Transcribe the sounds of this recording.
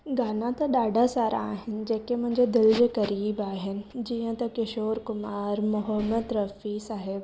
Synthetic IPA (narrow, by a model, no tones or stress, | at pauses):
ɡaːnãt̪ɐɗaːɖʱasaːɾʔa̰ːɦɪnɪ̆d͡ʑeːkemʊ̃ɦɪ̃ɲd͡ʑed̪ɪld͡ʑeːkɐɾiːbaːɦɪnɪ̆d͡ʑiːə̃t̪ɐkɪʃoːɾkʊmaːɾmʊɦəmːəd̪ɾɐfiːsaːɦeb